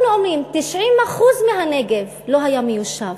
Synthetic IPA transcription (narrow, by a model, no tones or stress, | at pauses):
nuomʁimt̪iʃʕimaχuzmeɦaneɡe̞v | lo̞ɦajamejuʃav